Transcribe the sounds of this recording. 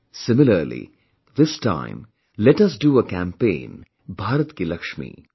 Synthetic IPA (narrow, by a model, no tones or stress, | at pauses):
sɪmɪləɾlḭ | d̪ɪsʈã̰ɪ̃m | lɛʈɐs̬ɖuəkæ̃mpḛ̃ːn | bʱaːɾət̪kelɐkʃmḭ